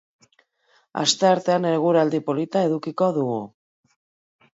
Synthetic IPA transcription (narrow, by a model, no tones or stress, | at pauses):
a̰st̪e̞aɾt̪e̞aneɾɣ̞uɾald̪ipo̞lit̪ae̞ðukiko̞ðuɣṵ